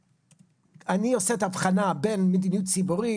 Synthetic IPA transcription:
anioseethavχanabe̞nmed̪inijutt͡sibuʁi

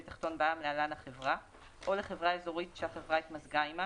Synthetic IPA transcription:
etḁχt̪o̞nbaamlealanhaχevʁa | ʔo̞leχevʁaeːzo̞ʁitʃeaχevʁait̪mazɡaima

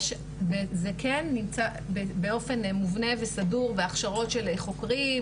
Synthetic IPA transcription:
ʃ | bezekʰenːimt͡sa | bebeo̞fe̞nmuvne̞vesaduʁveaχʃaʁo̞tʃeleχo̞kʁi

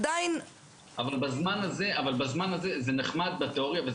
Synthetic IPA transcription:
d̪ain | avalbazmanaze̞ʔavalbazmanazezeneχmad̪̚bat̪eoʁijave

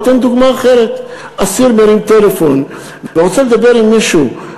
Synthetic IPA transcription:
t̪end̪uɡmaːχe̞ʁet̪ | ʔasiɾmeɾimt̪elefo̞n | vveʁot͡seled̪abe̞ʁimːiʃu

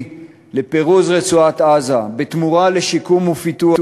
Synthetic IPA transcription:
lepeʁuzʁet͡suat̪ʔazabet̪muʁaleʃikumufit̪u

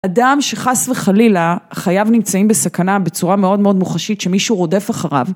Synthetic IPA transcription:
adamʃe̞χasvleχalilaχajavnimt͡saimbesakanabe̞t͡suʁame̞o̞dmeo̞d̪muχaʃitʃe̞miʃuʁo̞de̞faχaʁa̰v

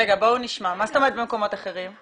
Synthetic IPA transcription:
eɡabouniʃmamast̪omed̪bemko̞mo̞t̪aχe̞ʁim

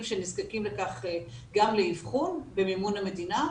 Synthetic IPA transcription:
mʃenizkakimlekaχe | ɡamleivχunbemimuname̞d̪ina

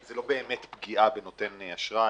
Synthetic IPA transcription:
zelo̞beːmet̪bɡiabeno̞t̪e̞naʃʁa

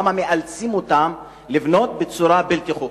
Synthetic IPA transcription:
mameʔalt͡simot̪am | livno̞t̪̚bet͡suɾabelkeχu

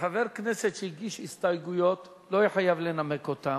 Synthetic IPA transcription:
ħaveʁknesetʃeiɡiʃhist̪ajɡujo̞t̪ | loiħajavlenamekot̪a

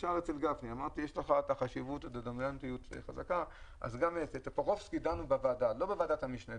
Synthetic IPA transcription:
ʃaʁet͡selɡafniamaʁt̪ijeʃleχat̪aχaʃivut̪etad̪amlant̪ijutvḛχazakaʔa̰zɡametet̪apaʁofskidanubavadalo̞bevaːdathamiʃna

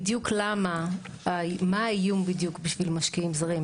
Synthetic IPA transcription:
djuklama | amaijumbidjukbiʃvilmaʃkiimzaʁim

